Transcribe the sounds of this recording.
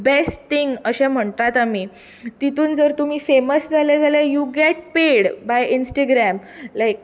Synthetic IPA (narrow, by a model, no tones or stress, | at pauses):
besʈt̪iŋɡəɕɛ̃m̤əɳt̪at̪ami | t̪it̪uːnd͡zəɾt̪um̤iːfeməsd͡zʱalad͡zalajuɡeʈpeɽbajinsʈəɡɾæmlajk̚